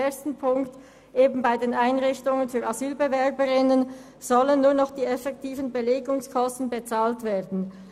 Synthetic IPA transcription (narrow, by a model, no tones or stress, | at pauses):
eɐstn̩pʰʊŋkt | ʔeːbn̩baɪdeːnaɪnʁɪçtʊŋənfyːɐazyːlbevɛɐbəʁɪnən | z̥ɔlənːuːɐnɔχd̥iːɛfɛk̚tʰiːvən̩beleːɡʊŋskʰɔstn̩bet͡saːltv̥eːɐdn̩